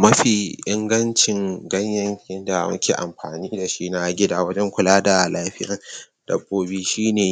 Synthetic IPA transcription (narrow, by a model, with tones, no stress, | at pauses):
mɐ˦ɸiː˨ʔɪ˦ŋɡɐ˦nt͡ʃɪ˨ŋɡɐ˦ɲjɐ˦ŋjɪ˦nda˨mɐ̰˦kʲʰeː˨ʔa̰˨mɸa̰ː˨niː˦da˨ʃi˦na˦ɡʲɪ˦daː˦wɐ˦d͡ʒɛ˦ŋkʷʊ˨laː˦da˨laː˦ɸɪ˦jɐ˨n | d̥ɐ˨bːoː˦biː˦ʃiː˦neː˨